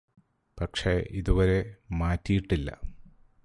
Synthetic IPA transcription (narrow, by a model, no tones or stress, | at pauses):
pɐkʂe̞ʔiðuʋɐɾe̞maːtːijiʈːilːɐ̰